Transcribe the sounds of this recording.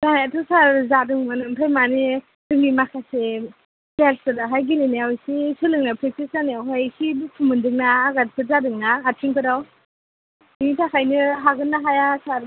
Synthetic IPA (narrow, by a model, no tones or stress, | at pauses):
z̥anaatʰɔsaɾzadɯŋmanɯmpʰajmani | dɯŋɡimakʰase | baɾsɯdaɦajɡilineawsisulɯŋnapʰɾek̚tiszaneawɦajkʰipʰumɯndɯŋnaːɡatpʰɯɾzadɯŋnaːtʰiŋpʰɯdaw | initʰakʰajnɯɦaɡɯnːaɦajasaɾ